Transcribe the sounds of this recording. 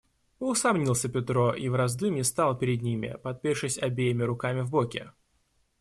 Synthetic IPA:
ʊsɐmnʲilˠsʲəpʲɪt̪ɾo̞ʔivɾɐzd̪ɨmʲɪst̪alˠpʲɪɾʲɪd̪nʲimʲɪ̰pɐt̪̚pʲeʂɨsʲɐbʲejɪmʲɪɾʊkamʲɪvbokʲɪ̰

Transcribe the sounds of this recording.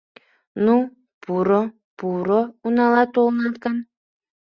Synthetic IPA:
nu | pʰuɾo | puɾounɑlˠɑt̪olˠnɑt̪kɑn

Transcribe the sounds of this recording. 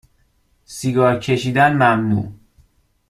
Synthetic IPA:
siɡɒːɾcʰe̞ʃiːd̪ænmæmnṵː

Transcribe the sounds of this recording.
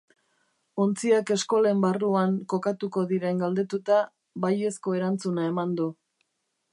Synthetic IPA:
o̞nt͡siake̞sko̞le̞mbaruaŋko̞kat̪uko̞ðiɾe̞ŋɡald̪e̞t̪ut̪a | βaje̞sko̞e̞ɾant͡sunae̞mand̪u

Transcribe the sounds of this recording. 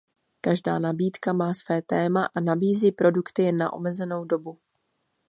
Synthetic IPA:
kaʒda̰ːnabiːt̪kamaːsv̥ɛːt̪ɛːmaʔanabiːziːpɾo̞dukt̪ɪna̰ʔo̰mɛzɛno̞wdo̞bu

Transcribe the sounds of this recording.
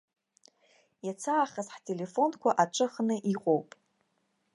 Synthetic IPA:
jat͡sʰaːχazħtʰʼe̞le̞fo̞nkʷaʔaʈ͡ʂʷʼɨχnɨʔiqʼo̞wpʼ

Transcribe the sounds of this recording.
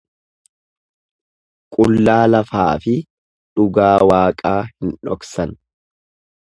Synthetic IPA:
kʼʊlːaːlɐfaːfɪ | ᶑʊɡaːwaːkʼaːhɪnᶑɔksɐn

